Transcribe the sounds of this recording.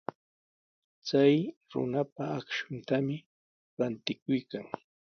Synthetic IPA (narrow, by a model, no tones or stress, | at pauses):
t͡sajɾʊ̰napaːkʃʊnt̪amɪ | ɾant̪ɪkʊjkaŋ